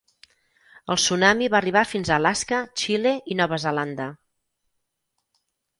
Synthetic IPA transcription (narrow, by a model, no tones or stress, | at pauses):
əlˠsunamiβaəriβ̞afinzəːlaskət͡ʃileinɔβ̞əzəland̪ə